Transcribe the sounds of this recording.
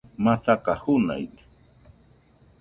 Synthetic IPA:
masakahʊna̰jt̪

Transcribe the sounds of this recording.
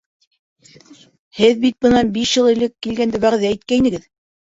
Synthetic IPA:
hɘðbit̪̚bɤ̆nɑnbiʃjɤlˠĭlɘkːilɡænd̪ɘwæʁðæit̪̚kæinɘ̆ɡɘð

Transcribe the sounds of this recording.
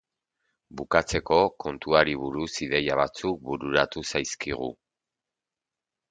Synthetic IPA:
bukat͡se̞ko̞ko̞nt̪uaɾiβuɾusiðe̞jaβ̞at͡suk̚buɾuɾat̪usajskiɣ̞ṵ

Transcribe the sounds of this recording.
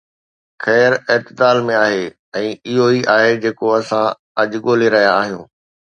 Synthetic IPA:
xɛːɾɛɦt̪ɪd̪aːlmẽaːɦeː | ɛ̃ːɪɦoiʔaːɦed͡ʑeːkoɐsã | ɐʄɠoːleɾɐɦijaːɦijũː

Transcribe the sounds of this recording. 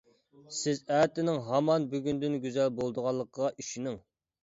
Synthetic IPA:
sɪzæt̪ɪnɪŋɦɑmɑnbyɡʲynd̪ynɡʲyzælbolˠd̪əʁɑlˠːəqʁɑʔyʃinɪŋ

